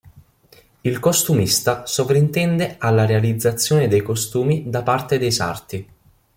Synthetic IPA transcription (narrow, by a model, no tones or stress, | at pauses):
ilkost̪umist̪asovɾint̪ɛnd̪ealːaɾealid̪zːat̪sːjoːned̪ejkost̪uːmid̪apart̪ed̪ejsa̰rt̪i